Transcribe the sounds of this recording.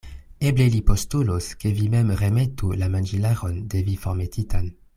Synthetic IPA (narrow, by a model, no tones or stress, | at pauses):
eblelipostuloskevimɛmʁemetʰulamand͡ʒilaʁondevifoʁmetʰitʰan